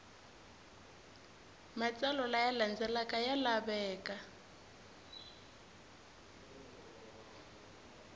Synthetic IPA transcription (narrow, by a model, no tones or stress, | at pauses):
mat͡sʼalɔlajaland͡zɛlakʼajalabɛːkʼa